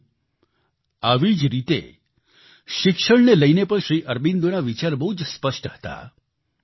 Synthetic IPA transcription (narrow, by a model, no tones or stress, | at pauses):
aʋid͡ʒɾit̪ḛ | ʃɪkʃəɽneləjnepəɳ̃ʃɾiʔəɾbind̪onaʋit͡ʃaɾbəɦud͡ʒspəʃʈəɦə̥t̪a̰